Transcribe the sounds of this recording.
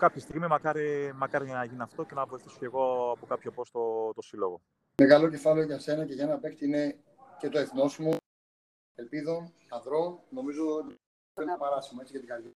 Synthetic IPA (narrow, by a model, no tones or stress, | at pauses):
kɐpçest̪iɣmimɐkɐɾimɐkɐɾiʝnɐʝiniɐft̪o̞cenɐvoiθiso̥ce̞ɣo̞ɐpokɐpçopo̞st̪ot̪osilo̞ɣo̞ | meɣɐlo̞ce̞fɐleoʝɐse̞nɐce̞ʝɐenɐpe̞kt̪iine | ce̞t̪o̞eθno̞smu | e̞lpiðo̞n | ɐðɾo̞nno̞mizo | oennɐpɐɾɐsimɐet͡sicɐt̪iɡɐli